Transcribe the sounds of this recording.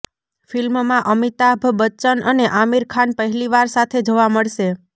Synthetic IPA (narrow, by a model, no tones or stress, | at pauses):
filmmãʔəmit̪abʱbət͡ʃənʔəneʔamiɾkʰanpəɦɛliʋaɾsat̪ʰed͡ʒoʋaməɭʃe